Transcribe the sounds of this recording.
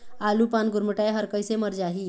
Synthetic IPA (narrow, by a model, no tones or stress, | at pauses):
alupanɡuɾməʈajɦəɾkəjseməɾd͡ʒaɦi